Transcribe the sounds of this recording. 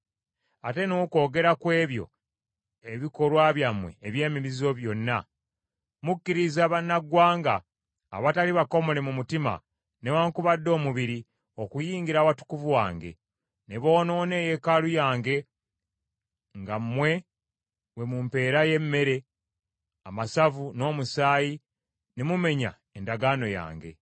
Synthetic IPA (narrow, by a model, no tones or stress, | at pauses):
ate̞noko̞ːɡe̞ɾakwe̞ːβjo̞̰ | eβiko̞lwaβjamwe̞̰ːβje̞ːmiβizo̞βjo̞nːa̰ | mukːiɾizaːβanːaɡwaːŋɡa̰ː | βataliβako̞mo̞le̞mumutima̰ | ne̞waŋkuβadːo̞ːmuβiɾi | o̞kujiːŋɡiɾawatu̥kuvuwa̰ːŋɡe̞̰ | neβo̞ːno̞ːne̞ːje̞kalujaːŋɡe̞ | ŋɡammːwe̞ | we̞mumpe̞ːɾaje̞mːe̞ɾe̞ | amasavuno̞ːmusaːji | ne̞mume̞ɲa̰ | endaɡaːno̞ja̰ːŋɡe̞̰